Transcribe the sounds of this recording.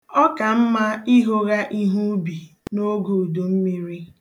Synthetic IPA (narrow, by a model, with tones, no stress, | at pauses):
ɔ˦ka˨m̩˦ma˦i˦ɦo˦ɣa˦ʔi˦ɦu˦bi˨ | no˦ɡo˨do˨m̩˦mi˦ɾi˦